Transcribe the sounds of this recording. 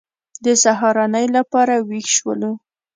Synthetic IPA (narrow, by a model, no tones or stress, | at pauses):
d̪əsaɦɑɾɑnəjlapɑɾawixʃwə̰lu